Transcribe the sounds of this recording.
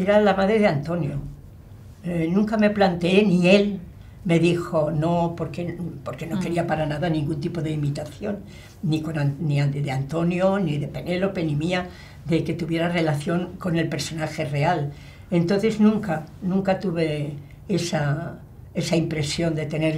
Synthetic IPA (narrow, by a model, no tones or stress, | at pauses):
eɾalamaðɾeðeant̪o̞njo | nũŋkame̞plant̪ee̞nie̞l | me̞ðixo̞no̞po̞ɾkepo̞ɾkeno̞ke̞ɾiapaɾanaðanĩŋɡunt̪ipo̞ðe̞imit̪aθjo̞nː | ikonaniaðeant̪o̞njoniðe̞pe̞nelope̞nimia | ðe̞ke̞t̪uβje̞ɾare̞laθjo̞ŋko̞ne̞lpe̞ɾso̞naxe̞re̞al | e̞nt̪o̞nθe̞znũŋkanũŋkat̪uβe̞ | e̞sa | e̞saimpɾe̞sjo̞nd̪e̞t̪e̞ne̞ɾ